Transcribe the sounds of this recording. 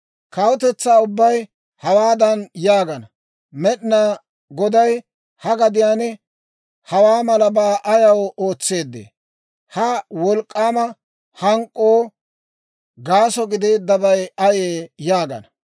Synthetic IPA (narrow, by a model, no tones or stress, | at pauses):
kɐwʊt̪ɛt͡sːaːʊbːɐj | hɐwaːd̪ɐnjaːɡɐnɐ | mɛɗnaː | ɡɔd̪ɐj | hɐɡɐd̪ɪjaːnɛ | hɐwaːmɐlɐbaːʔɐjɐwoːt͡sːe̞ːd̪ːḛː | hɐwɔlkʼːaːmɐ | hɐŋkʼːoː | ɡaːsɔɡɪd̪e̞ːd̪ːɐbɐjɐjeːjaːɡɐ̰nɐ